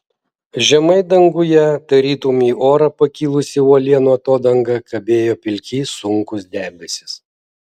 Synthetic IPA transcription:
ʒʲɛmɐɪd̪ɐŋɡʊjɛt̪ɐɾʲiːt̪umʲiːoːɾɐpɐkʲiːlˠʊsʲɪuɔlʲiɛnuɔt̪oːd̪ɐŋɡɐkʰɐbʲeːjoːpʲɪlʲkʲiːsʊŋˑkʊsd̪ʲæːbʲɛsʲɪ̥s

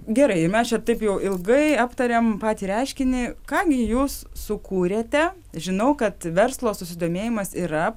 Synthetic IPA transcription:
ɡʲɛɾɐɪɪɾmʲɛst͡ʃʲɛt̪ɐɪpjɛʊʔɪlˠɡɐɪɑːpt̪ɐɾʲɛmpɑːt̪ʲiɾʲɑɪʃʲkʲɪnʲɪkɑːɡʲɪjuːs | sʊkuːɾʲeːt̪ʲɛ | ʒʲɪnɐʊkɐt̪ʋʲɛrslˠoːsʊsʲɪd̪oːmʲeːjɪmɐsiːɾɐ

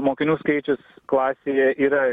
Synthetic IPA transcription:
moːkʲɪnʲuːskɐɪt͡ʃʲʊsklˠɑːsʲeːjɛiːɾɐ

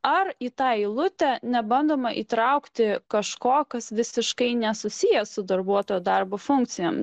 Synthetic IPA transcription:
ɐriːt̪ɑːɪlˠʊt̪ʲɛnʲɛbɐnd̪oːmɐʔḭːt̪ɾɐʊkt̪ʲɪkɐʃkoːkɐsʋʲɪsʲɪʃkɐɪnʲɛsʊsʲijɛsʊd̪ɐrbuɔt̪oːjoːd̪ɐrboːfʊŋk̪sʲɪjo̰ːm

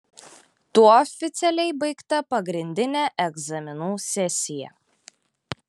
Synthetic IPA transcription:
t̪uɔɔfʲɪt̪sʲɛlʲɛɪbɐɪkt̪ɐpɐɡɾʲɪnʲd̪ʲɪnʲæʔɛɡzɐmʲɪnuːsʲɛsʲɪjɛ̰

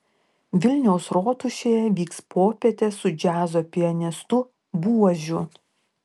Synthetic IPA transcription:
ʋʲɪlʲnʲɛʊsɾoːt̪ʊʃʲeːjɛʋʲiːkspʰoːpʲɛt̪ʲesʊd͡ʒʲæːzoːpʲɪɐnʲɛst̪ʊ | buɔʒʲʊ

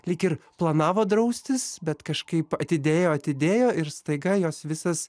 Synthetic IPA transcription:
lʲɪkɪɾplˠɐnɑːʋoːd̪ɾɐʊsʲt̪ʲɪsbʲɛt̪kɐʃkɐɪpɐt̪ʲɪd̪ʲeːjoːɐt̪ʲɪd̪ʲeːjoːʔɪɾst̪ɐɪɡɐjoːsʋʲɪsɐs

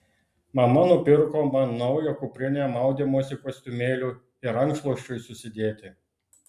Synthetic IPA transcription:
mɐmɐnʊpʲɪɾkoːmɐnnːɔʊjokʊpʲɾʲɪnʲɛmɑˑʊd̪ʲemoːsʲɪkosʲt̪ʲʊmʲeːlʲuː | ɪɾɐŋkslˠɔʃʲt͡ʃʲʊjsʊsʲɪd̪ʲeːt̪ʲɪ

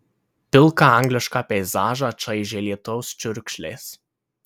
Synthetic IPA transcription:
pʲɪlˠkɑɐŋʲɡlʲɪʃkɑːpʲɛɪzɑːʒɑt͡ʃɐɪʒʲeːlʲiɛt̪oʊst͡ʃʲʊɾʲkʃʲlʲḛːs

